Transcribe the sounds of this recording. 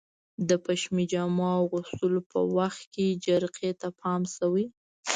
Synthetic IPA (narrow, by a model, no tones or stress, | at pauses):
d̪əpaʃmid͡ʒɑmɑwɣʊst̪əlopə̰waxt̪̚ked͡ʒaɾqʰet̪apʰɑmsawi